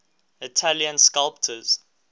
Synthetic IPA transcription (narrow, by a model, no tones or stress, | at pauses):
ɪtʰaljə̃nskalp̚tʰəz̥